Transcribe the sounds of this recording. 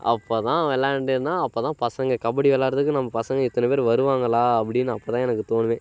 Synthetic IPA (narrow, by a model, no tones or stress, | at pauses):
ɐ̰pːoːt̪ãːɛlːãːɛɳɖeɾɯnːaːɐpːoːt̪ãːpɐsɐŋɡɐkɐbɐɽiɛlːaːɾɐðɯkːɯnɐmːɐpɐsɐŋɡɐ̃ɪt̪ːɐnɐpeːɾʋɐɾɯʋaːŋɡɐlaːɐpːɐɽɪnːɯɐpːoːt̪ãːɛnɐkːɯt̪oːnɯʋẽː